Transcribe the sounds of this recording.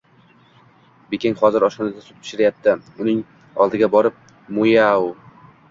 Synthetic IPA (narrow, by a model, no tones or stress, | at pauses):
bekʲʰeŋχɒzɪɾɒʃɒnad̪asʊ̥t̪̚pʰɪ̥ʃɪɾajap̚t̪ʰɪʊnɪŋ | ɒlˠd̪ɪɡʲabɒɾɪp̚ | mojaʊ